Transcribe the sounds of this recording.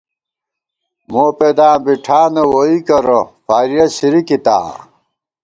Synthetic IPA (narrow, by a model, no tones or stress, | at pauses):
moːped̪aːbiʈʰaːnɐwoikɐɾofaːɾijɐɕiɾikit̪a̰ː